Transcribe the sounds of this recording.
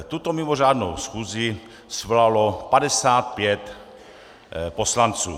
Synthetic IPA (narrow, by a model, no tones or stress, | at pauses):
t̪ut̪omɪmor̝aːdno̰wsxuːzi | svlalopadɛsaːt̪̚pjɛt̪ | poslant͡sṵː